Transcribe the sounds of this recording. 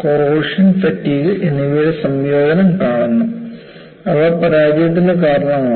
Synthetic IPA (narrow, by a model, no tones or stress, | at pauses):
koroːʂɐnfɐtːiːɣiʔeniʋɐɾesɐmjoːd̪ɐnɐmkaːɳunːu | ɐʋɐpɐɾaːd͡ʑijɐt̪̬ːindekaːɾɐɳɐmɐ